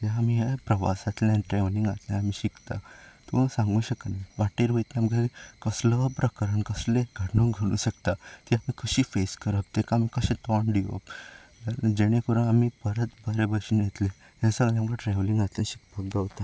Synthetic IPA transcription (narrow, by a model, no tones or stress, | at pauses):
jaamiɦapɾəʋa̰sat̪leãnʈɾeʋlĩŋɡat̪lẽamiɕikt̪a̰t̪uãsãŋɡuːɕəkanaʋaʈeɾʋəjt̪namɡekəsləpɾʔəkəɾəɳkəsleɡʱəɽnuɡʱəɽ̃ṵ̃ːɕəkt̪at̪iamikəɕiːfeskəɾəp̚t̪ekaːmikəɕẽt̪ɔɳɖio̰ald͡ʑeɽ̃ẽkəɾəamipəɾət̪bʱəɾebəɕinjet̪le | ɦẽsəɡnamkaʈɾeʋlĩŋɡat̪lẽɕi̥kpak̚ɡawt̪a